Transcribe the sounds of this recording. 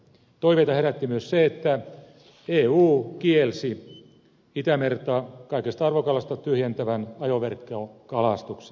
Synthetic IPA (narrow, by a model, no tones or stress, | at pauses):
t̪oiʋeit̪ɑheɾæt̪ːimyøsseet̪ːæ | eːuːkielsi | it̪æmert̪ɑkɑikest̪ɑɑrʋokɑlɑst̪ɑt̪yhjent̪æʋænɑjoʋerkːokɑlɑst̪ukse̥